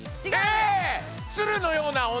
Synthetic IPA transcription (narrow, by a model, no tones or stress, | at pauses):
e | sɨɾɯ̟no̞jo̞ːnao